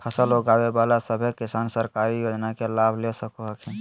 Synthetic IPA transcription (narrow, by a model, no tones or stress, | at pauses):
pʰəsəloɡawebalasəbʱekisansəɾkaɾijod͡ʒnakelabʱlesəkuɦəkʰɛ̃